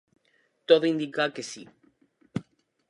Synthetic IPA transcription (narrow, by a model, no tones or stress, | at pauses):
t̪oðoind̪ikakesi